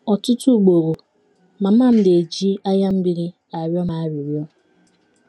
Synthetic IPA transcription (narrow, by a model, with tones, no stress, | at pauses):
ɔ˨tʊ˦tu˦˨ɡ͡bo˨ɣo˨ | ma˨m̩˦a˦˨m̩˦de˨d͡ʒi˦a˦ja˦m̩˦bi˦ɾi˦ | a˨ɾjɔ˦ma˨a˦ɾi˨ɾjɔ˦˨